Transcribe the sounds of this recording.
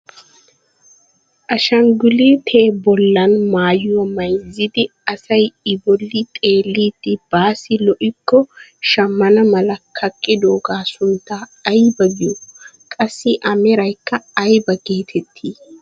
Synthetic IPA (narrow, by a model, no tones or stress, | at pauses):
ʔɐʃɐŋɡʊlit̪ʰe̞ːbɔlːɐnmaːjʊwɐmɐjzːɪd̪ɪɐsɐjɪbɔlːɪt̪ʼe̞ːlːiːd̪ɪb̥aːsɪlɔʔɪkːɔʃɐmːɐnɐmɐlɐkʰɐkʼːɪd̪oːɡaːsʊnt̪ːaːjbɐɡɪjɔ | kʼɐsːɪʔɐmɛɾɐjkːɐːjbɐɡe̞ːt̪ʰɛt̪ʰːiː